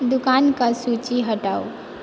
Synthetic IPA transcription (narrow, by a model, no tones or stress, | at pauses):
d̪ʊkaːnkasut͡ʃiɦəʈaːu